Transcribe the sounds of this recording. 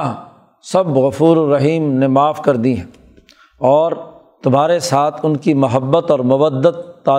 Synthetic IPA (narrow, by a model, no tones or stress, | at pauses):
sɐbɣʊfuːɾːɐɦiːmnemaːfkɐɾd̪iɦɛ̃ | ɔːɾ | t̪ʊmɦaːɾesaːt̪ʰʊnkimʊɦəbːət̪ɔːɾmʊʋəd̪ːət̪ːaː